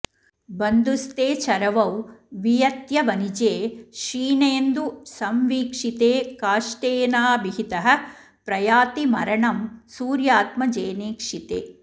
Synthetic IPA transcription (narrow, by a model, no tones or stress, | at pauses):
bɐnd̪ust̪eːt͡ʃɐɾɐʋɐwʋijɐt̪jɐʋɐnid͡ʒeːʃiːneːnd̪usɐmʋiːkʂit̪eːkaːʂʈeːnaːbiɦit̪ɐɦɐ̆ | pɾɐjaːt̪imɐ̰ɾɐɳɐmsuːɾjaːt̪mɐd͡ʒeːneːkʂit̪ḛː